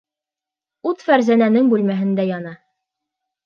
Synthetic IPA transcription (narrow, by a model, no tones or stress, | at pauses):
ut̪fæɾzænænɘŋbʉlmæɦɘ̆nd̪æjɑnɑ